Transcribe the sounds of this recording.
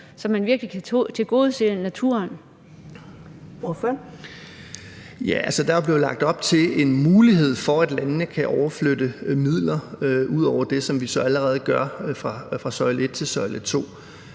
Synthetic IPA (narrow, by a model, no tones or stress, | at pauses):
sɒ̽mænʋiɐɡ̥likʰæt͡sʰe̝lɡ̥o̝ːð̞ˠsde̝lənæt͡sʰuɐn | ɔf | jæʔælsəd̥ɑb̥le̝ʊlɑ̈ɡ̥̚d̥ɒ̽b̥t͡sʰe̝le̝nmuːliɦe̝ð̞̰ˠfɒæd̥lænnəkʰæʔɒʊɐflød̥əmið̰ˠlɐuð̞̰ˠɒʊ̰ɐd̥e̝sɒ̽mʋisɒ̽æləʁɛːð̞̩ˠəɡ̥ɶɐfʁɑ̈fʁɑ̈sɒ̽ɪle̝d̥̚t͡sʰe̝lsɒ̽ɪlət͡sʰo̝̰ː